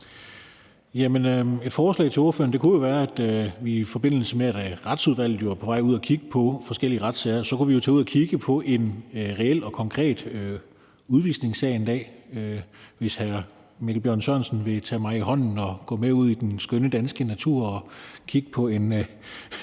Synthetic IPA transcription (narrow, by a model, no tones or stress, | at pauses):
jæmənøe̝d̥fɒːslɛ̰ɪt͡sʰe̝o̝ɐfø̰ɐnd̥e̝kʰujo̝ʋæːɐæd̥ʋifɒ̽b̥e̝n̰l̩səmeed̥ʁɑ̈d̥suð̞ˠʋæl̰ð̩ˠjopʰɒ̽ʋɑ̈ɪ̰uð̞̰ˠækʰiɡ̥əpʰɒ̽fɒ̽sɡ̥el̰iəʁɑ̈d̥sɛɪsɒ̽kuʋijo̝t͡sʰɛːuð̰ˠɐkʰiɡ̥əpʰɒ̽ʔe̝nʁɛel̰ɒ̽kʰɒ̽ŋkʰʁɛ̰ːd̥ø | uð̞ˠʋiːsne̝ŋsɛɪend̥ɛ̰ːøʋe̝shæɐ | miɡ̥ʰlbjɶɐ̰nɕɶɐ̰nsn̩ʋe̝t͡sʰɛ̰ːmɑ̈ɪihɒ̽n̰n̩ɒɡ̥ɔ̰ːmeuð̞̰ˠid̥ensɡ̥œnəd̥ænsɡ̥ənæt͡sʰṵɐ̰ɒ̽kʰiɡ̥ə̥pʰɒ̽e̝n